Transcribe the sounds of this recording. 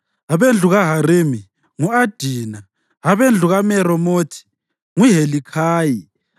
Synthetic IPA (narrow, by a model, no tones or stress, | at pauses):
aβend͡ɮʱuɣaɦaɾemi | ŋuad̥ʱiːna | ɦaβend͡ɮʱuɣamɛɾɔmoːtʰi̥ | ŋuɦelikʰaːji